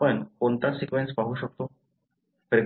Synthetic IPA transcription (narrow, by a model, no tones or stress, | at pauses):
ənkont̪aɾsikʋẽnspaɦuːɕək̚t̪o | pɾeɡ